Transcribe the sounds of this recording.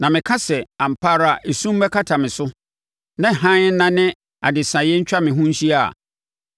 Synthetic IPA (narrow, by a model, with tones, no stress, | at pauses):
nã˨mɪ̃˨kʰa˦sɛ˨ã˨m̩˨pʰa˦ɾa˨ʔe˨sũ˦m˦bɛ˦kʰa˦tʰa˨mɪ̃˨sʊ˦ | nã˦˨ɦã˦n̩˦nã˦nɪ̃˦ | a̰˨dɪ˨sã˨jɛ˦ɲ̩˦t͡ɕᶣa˦mɪ̃˨ɦũ˦ɕi˦a̰˨